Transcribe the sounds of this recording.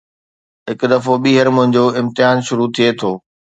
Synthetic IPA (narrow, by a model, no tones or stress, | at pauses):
ɦɪkd̪ɐfoɓiːɦəɾmʊ̃ɦɪ̃ɲd͡ʑoːɪ̃mt̪ɪjaːnʃʊɾut̪ʰiet̪ʰoː